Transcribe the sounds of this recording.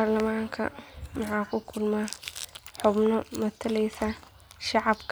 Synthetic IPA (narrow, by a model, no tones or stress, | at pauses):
aːrlɐmaːŋkʰɐ̰mɑħɑːkʰʊkʰʊlmaːħʊbnɔmɐt̪ʰɐlɛjsɐ | ʃɑʕɑbkʰ